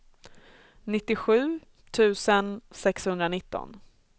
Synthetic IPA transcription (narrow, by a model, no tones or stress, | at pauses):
nɪt̪ːɪɧʉ̟ː | t̪ʰʉ̟ːsənsɛkshɵnd̪ɾanɪt̪ːɔ̰n